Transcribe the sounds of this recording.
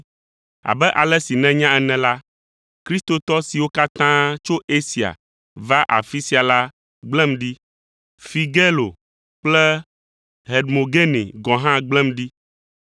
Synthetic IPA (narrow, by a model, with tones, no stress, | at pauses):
a̰˨bɛ˦ʔa˨lɛ˦si˨nɛ̃˦ɲã˦ɛ˨nɛ̃˨la˦ | kɾi˦st̪o˨t̪ɔ˦si˨wo˦ka˦t̪ã˦t͡ʃo˦ʔe˦si˨a̰˨ | va˦ʔa̰˨fi˦si˦a˨la˦ | ɡ͡blɛ̃˦mɖi˦ | fi˨ɡe˦lo˨ | k͡plɛ˦ | ɦe˨dmo˨ɡe˦nḛ˨ɡɔ̃˨ɦã˦ɡ͡blɛ̃˦mɖi˦